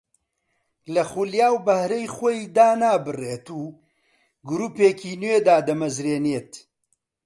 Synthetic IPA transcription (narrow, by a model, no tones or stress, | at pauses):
lɐχuljaːwbɐhɾɐjxojd̪aːnaːbɨreːt̪uː | ɡʊɾuːpeːkiːnwed̪aːd̪ɐmɐzɾeːneːt̪